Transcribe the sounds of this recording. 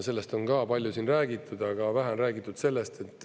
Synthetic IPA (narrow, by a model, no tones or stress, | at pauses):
se̞lːe̞st̪o̞ŋkɑːpɑlʲjusiːnræːɡit̪ːˑud̪̥ɑɡ̥ɑvæɦæonræːɡit̪ːˑud̪̥se̞lːe̞st̪e̞t̪ːˑ